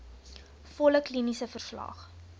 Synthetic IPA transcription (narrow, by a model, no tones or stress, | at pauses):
fɔləklinisəfərslɐ̰χ